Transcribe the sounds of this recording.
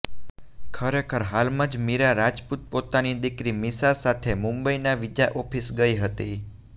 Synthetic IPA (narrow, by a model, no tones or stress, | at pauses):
kʰəɾekʰəɾɦalmãd͡ʒmiɾaɾad͡ʒput̪̚pot̪anid̪ikɾimisasat̪ʰemũmbəinaʋid͡ʒaʔɔpʰisɡəiɦət̪i